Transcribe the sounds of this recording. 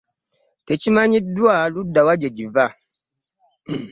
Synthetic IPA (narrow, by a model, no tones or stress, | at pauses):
tet͡ʃimaɲidwaludawad͡ʒed͡ʒiva